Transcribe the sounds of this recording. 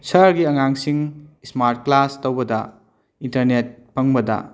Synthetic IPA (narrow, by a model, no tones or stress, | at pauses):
sʰɐɾɡiɐŋaŋsiŋsmaɾt̚klastowbɐdɐ | intɐɾnet̚pɐŋbɐdɐ̰